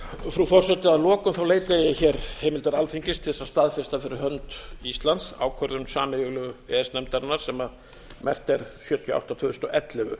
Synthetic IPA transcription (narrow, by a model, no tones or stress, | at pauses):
fɾufɔr̥sɛt̪ɪaðlɔːkʏmθawleːjt̪ajɪçɛɾheːjmɪlt̪aɾalfiɲcɪst̪ʰɪlθɛsast̪aðfɪ̥st̪afɪɾɪɾɦœnt̪ist̪lant̪sa̰ːwkʰœɾðʏmsaːnɪɣʏɣlœɣʏɛɛst̪nɛmt̪aɾɪnːaɾ̥sɛma | mʔɛ̰r̥t̪ɛɾ̥sjœːt̪ʰʏa̰wht̪at̪ʰʏːðʏst̪ɔʔɛt̪lɛɣʏ̰